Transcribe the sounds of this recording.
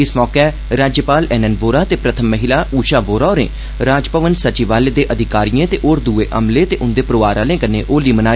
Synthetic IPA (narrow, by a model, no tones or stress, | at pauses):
ɪsmɔːkɛː | ɾaːd͡ʒjəpaːlɛːnənboːɾaːt̪eːpɾət̪ʰəmːəɦɪlaːuːʃaːboːɾaːoːɾḛ̃ː | ɾaːd͡ʒpəʋənsət͡ʃiːʋaːleːd̪eːʔəd̪ʱɪkaːɾijẽːt̪eːʔoːɾd̪uːeːʔəmleːt̪eːʔʊnd̪eːpɾoːʋaːɾaːlẽːkənḛːʔoːliːmənaː